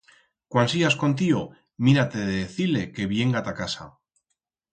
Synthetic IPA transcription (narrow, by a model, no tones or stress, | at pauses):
kwansiasko̞nt̪̬io | miɾat̪e̞ðeðeθile̞ke̞βje̞ŋɡat̪akasa̰